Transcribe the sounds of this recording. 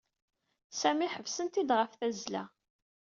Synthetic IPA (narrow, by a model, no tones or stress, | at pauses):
sæmiħəvsənt̪id̪ʁəfθæzlæ̰